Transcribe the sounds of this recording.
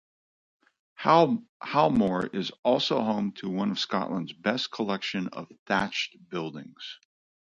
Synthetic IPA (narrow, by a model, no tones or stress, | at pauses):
halˠmɔɹɪzɔlˠsoʊɦõʊ̃mtʰəwʌ̃nʌv̥skɑ̰ʔlə̃ndzbɛskʰəlɛkʃɨ̃nʌ̰v̥θæt͡ʃt̚b̥ɪlˠdɪ̰̃ŋz̥